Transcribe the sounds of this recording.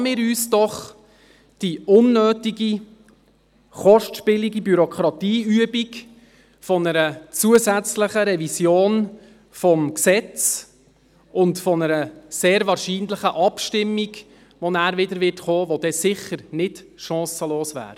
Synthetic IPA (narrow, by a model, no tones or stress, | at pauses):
mɪːɾyːsd̥ɔχ | d̥iʊnːøːtiɡi | χɔʃtʃpɪliɡibyɾɔkʰɾɑtiːyəbik | fɔnəɾət͡suəzæt͡sləχəɾɛvisjoːn | fɔmksɛt͡s | ʊntfɔnəɾəseːɾvɑːɾʃiːnləχəʔɑpʃtɪmːiɡ | ʋɔnæːɾvɪdəɾʋɪtχoːʋɔd̥ɛsɪχəɾnɪdʃɑ̃ːsəloːsʋæ̰ːɾ